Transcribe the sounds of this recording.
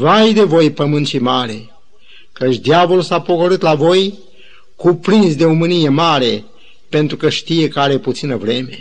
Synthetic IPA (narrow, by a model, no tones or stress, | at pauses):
vajd̪e̞vo̞jpəmɨnt̪ʃimaɾe | kət͡ʃʲd̪javolulsapo̞ko̞ɾɨt̪lavo̞j | kupɾinsd̪e̞omɨnije̞maɾe̞ | pe̞nt̪ɾukəʃt̪ije̞kəaɾe̞put̪sinəvɾe̞me̞